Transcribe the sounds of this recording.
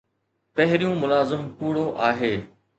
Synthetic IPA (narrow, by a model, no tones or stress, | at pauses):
pɐɦɪɾijũmʊlaːzɪmpuːɽoʔaːɦeː